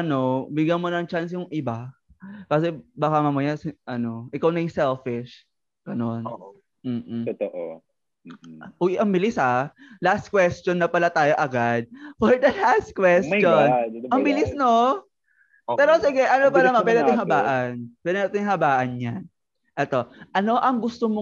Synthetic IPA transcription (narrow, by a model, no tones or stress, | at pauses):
ʔɐnobɪɡjɐnmonɐŋt͡ʃans̬jʊŋʔɪba | kas̬ɛbaːkɐmɐmʊjasɪʔɐno̞ʔɪkawnɐjʊŋsɛlfɪʃ | ɡ̥ɐnon | m̩ːt̪oʔo | ʔoʔɐŋbɪlɪsɐlast̪̚kwɛst͡ʃonːɐpɐlat̪aːjo̞ʔɐɡad̪̚fɔɹd̪ɐlast̪̚kwɛst͡ʃonɐŋbɪlɪsno | pɛːɾosɪɡɛʔɐnopɐnɐmanpɛɾɐʊŋhɐbaːʔɐnpɛɾonɐt̪ʊŋɦɐbaːʔɐnɲan | ʔɛt̪o̞ʔɐno̞ʔɐŋɡʊst̪omo